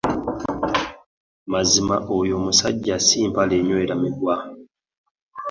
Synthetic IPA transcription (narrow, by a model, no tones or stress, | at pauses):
mazimaʔojo̞ːmusaɟːasiːmpaleɲoeɾamiɡwa